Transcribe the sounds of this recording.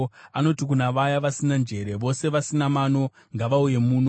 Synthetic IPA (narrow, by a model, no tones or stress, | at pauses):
ano̞tikunaʋajaʋasinand͡ʒe̞ɾe̞ʋo̞se̞ʋasinamano̞ | ŋɡaʋauje̞muːno